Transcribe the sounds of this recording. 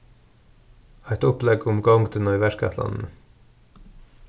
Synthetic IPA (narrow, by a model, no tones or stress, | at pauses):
æɪt̪ɔplɛɡʊmɡɑŋɡd̪ənɑʏʋæʃkæ̰t̪lɑ̰nn̩